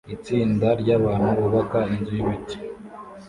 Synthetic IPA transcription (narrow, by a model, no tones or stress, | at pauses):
it͡siːndaɾɟaβaːn̥huβuβakainzujiβici̥